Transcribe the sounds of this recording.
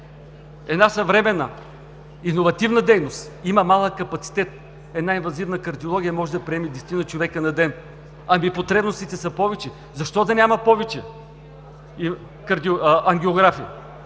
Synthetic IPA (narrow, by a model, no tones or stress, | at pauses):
ɛd̪nasɐvɾɛmɛnə̰ | inovɐt̪ivnɐd̪ɛjnost̪imɐmalˠəkːɐpɐt̪si̥t̪ɛt̪̚ | ɛd̪nainvɐzivnəkɐɾd̪iolˠɔɡʲijəmɔʒɛd̪ɐpɾiɛmid̪ɛst̪inət͡ʃovɛkənɐd̪ɛn | ɐmipot̪ɾɛbnost̪it̪ɛsɐpɔvɛt͡ʃɛ | zɐʃt̪ɔd̪ɐnʲamɐpɔvɛt͡ʃɛ | i | kɐɾd̪ioɐŋɡʲioɡɾafijə